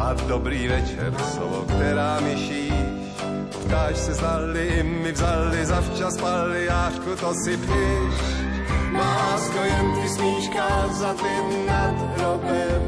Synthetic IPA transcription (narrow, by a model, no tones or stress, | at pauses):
ʔad̪obɾiːvɛt͡ʃɛ̰ɾsovo̰kt̪ɛɾaːmɪʃiːʃ | pt̪aːʃsɛznalɪɪmɪvzalːɪzaft͡ʃaspalːɪjaːʃkut̪osɪpɪʃ | maːst̪ojɛnt̪ɾɪsmiːʃkazat̪ɪ | nat̪ɦɾobjɛ